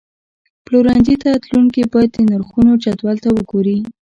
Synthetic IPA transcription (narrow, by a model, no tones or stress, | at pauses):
ploɾɑnd̪it̪at̪luŋkibɑjad̪̚d̪ənaɾxunot͡ʃat̪wɑlt̪awəɡoɾi